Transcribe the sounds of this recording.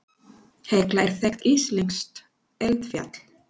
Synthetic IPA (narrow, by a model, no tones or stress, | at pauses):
heklaɛɾ̥θɛxt̪isliŋkst̪ | ɛlt̪fja̰t̪l̥